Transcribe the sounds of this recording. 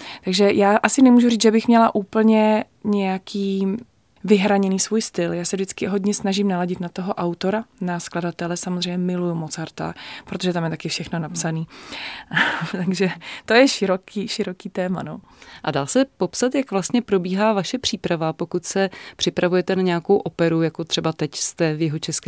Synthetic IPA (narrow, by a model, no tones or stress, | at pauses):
t̪aɡʒɛjaːʔasɪnɛmuːʒuriːt͡s̪ʒɛbɪxmɲɛlaʔuːpl̩ɲɛ | ɲɛjakʰiː | vɪɦɾaɲɛniːsvuːjst̪ɪljaːsɛvdɪt͡skɪɦo̞dɲɛsnaʒɪmnalaɟɪt̪nat̪oɦo̞ʔawt̪o̞ɾanaskladat̪ɛlɛsamozrɛjɲɛmɪlujumo̞t͡saɾt̪a̰pɾot̪o̞ʒɛt̪amjɛt̪akɪfʃɛxno̞napsaniː | t̪aɡʒɛt̪o̞jɛʃɪɾokiːʃɪɾo̞kiːt̪ɛːma̰no | ʔadaːsɛpo̞psat̪jakvlast̪ɲɛpɾo̞biːɦaːvaʃɛpr̥iːpɾavapo̞kut̪sɛpr̝̥ɪpɾavujɛt̪ɛnaɲɛako̞wʔo̞pɛɾujako̞t̪r̥ɛbat̪ɛcst̪ɛvjɪɦot͡ʃɛskɛ